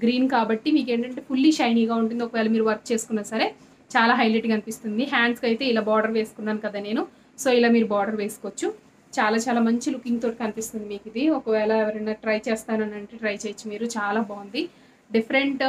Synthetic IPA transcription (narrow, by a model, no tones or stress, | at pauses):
ɡɾiːnkaːbɐʈːimiːke̞ːɳʈɐɳʈe̞ːpʰulːiʃɐjniŋɡaːuɳʈund̪iɔkɐʋɛːlɐmiːɾuʋɐɾk̚t͡ʃe̞ːsu̥kunːaːsɐɾe̞ | t͡ʃaːlaːɦɐjleʈikɐnipist̪und̪iɦaːɳɖskɐjt̪e̞ːilaːbaːɾɖɐɾʋe̞ːsu̥kunːaːnukɐd̪aːne̞ːnu | so̞ːilaːmiːɾubaːɾɖɐɾʋe̞ːsu̥kʋt͡ʃːu | t͡ʃaːlaːt͡ʃaːlaːmɐɲt͡ʃilukiŋɡt̪oːʈikɐnipist̪und̪imiːkid̪iɔkɐʋɛːlɐɛʋɐɾɐnːaːʈɾɐjt͡ʃeːst̪aːnɐnɐɳʈeːʈɾɐjt͡ʃeːjt͡ʃːumiːɾut͡ʃaːlaːbaːund̪i | ɖipʰɐɾeɳʈ